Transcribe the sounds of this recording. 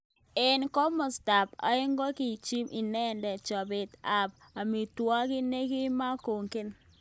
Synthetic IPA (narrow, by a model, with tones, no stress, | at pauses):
ɪ˨nkɔ˦mɔ˨sta˨pa̰˨ɪ˦ŋɡɔ˦ki˨t͡ʃi˦mʔi˨nɛ˦ndɛ˨t͡ʃɔ˨bɪ˨ta˨b | a˨mi˨twɔ˦kɪ˦ne˦ɡi˦ma˦ko˨ŋkɪ˦n